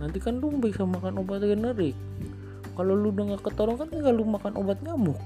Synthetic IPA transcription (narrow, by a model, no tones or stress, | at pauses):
nant̪ikanlumbɛsamakanobat̪̚ɡənəɾɪk̚ː | aloludaŋɡakət̪oɾɔŋkanŋɡalumakanʔobat̪̚ɲamʊk̚